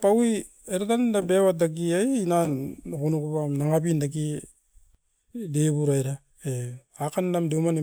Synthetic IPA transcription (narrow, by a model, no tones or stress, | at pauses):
pawi | eɾatanindabewat̚dak̬iajnankunukupamnaŋapindak̬i | deβuɾajɾa | e | akandamdumani